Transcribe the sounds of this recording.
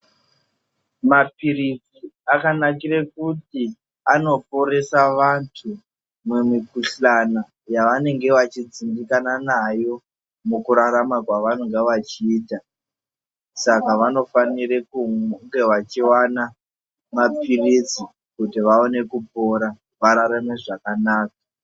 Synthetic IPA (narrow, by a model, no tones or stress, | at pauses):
mapirid͡ziakanakirekuti | ano̞p̚o̞ɾe̞saʋantʰu | memikuɬana | jaʋane̞ŋɡe̞ʋat͡ʃid͡zindikananajo̞ | mukuɾaɾamakwaʋanoŋɡeʋat͡ʃiːta | sakaʋano̞fanirekuŋɡe̞ʋat͡ʃiwana | mapʰirid͡zi | kutiʋao̞ne̞kupo̞ɾa | ʋaɾaɾameʐakanaːk̚ḁ